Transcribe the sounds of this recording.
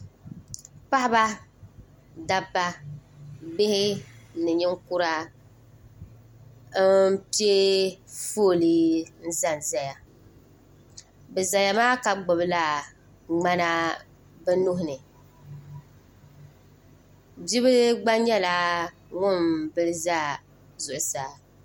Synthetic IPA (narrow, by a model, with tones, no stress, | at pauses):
pa˦ʔɪ˦ba˦ | da˦bːa˦ | bɪ˦hɪ˦nɨ˨ɲɪ˦ŋku˦ɾa˦ | pi˦e˦foː˦˨li˦n̩˦za˨n˨za˨ja˨ | bɛ˨za˨ja˨maː˦ka˨ɡ͡bʊ˨bɨ˦la˨ | ŋ͡ma˦na˦ | bɛ˦nʊ˦ɦʊ˨nɨ˨ | d͡ʒi˦βɨ˦ɡ͡ba˦ɲɛ˦la˦ | ŋʊ˦mbɨ˦lɨ˦zaː˦ | zʊ˨ʔʊ˨sa˨˦